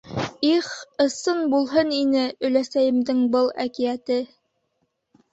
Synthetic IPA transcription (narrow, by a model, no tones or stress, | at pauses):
iχɤ̆sɤnbulˠɦɤninɘɵ̆læsæjɘ̆md̪ɘŋbɤlˠæ̰kijæt̪ɘ